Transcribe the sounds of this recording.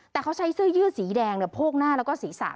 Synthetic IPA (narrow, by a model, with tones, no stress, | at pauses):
t̪ɛː˨˩kʰa˥wt͡ɕʰa˦˥jsɯː˥˩jɯː˥˩siː˩˦dɛː˧ŋni˧˩pʰoː˥˩k̚naː˥˩lɛː˦˥wkɔː˥˩siː˩˦sa̰ː˨˩˦